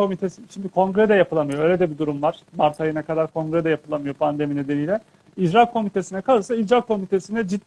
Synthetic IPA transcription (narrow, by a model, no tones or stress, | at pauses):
o̞mit̪ʰesiʃimd̪ikʰo̞ŋɡɾed̪ɛjapʰɯlˠamɯjoøjlʲed̪ɛbid̪uɾumvaɾ̥maɾt̪ʰajɯnakad̪aɾkʰo̞ŋɡɾɛd̪ɛjapʰɯlˠamɯjo̞pʰand̪e̞mine̞d̪enijlʲɛ | id͡ʒɾakʰo̞mit̪ʰe̞sinɛkʰalˠɯsaid͡ʒɾakʰːo̞mit̪ʰe̞sinɛd͡ʒid̪